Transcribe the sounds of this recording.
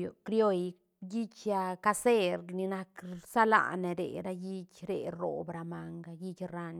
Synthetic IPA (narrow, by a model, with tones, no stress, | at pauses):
jo˨kɾjo˦˧j | ji˦t͡ʃja˧ka˧se˦ɾni˧na˧ksa˦la̰˨ne˨˧ɾḛ˨ɾa˦ji˦t͡ʃɾḛ˨ɾo̰˨bɾa˨ma˨ŋɡa˧ji˦t͡ʃɾa˧n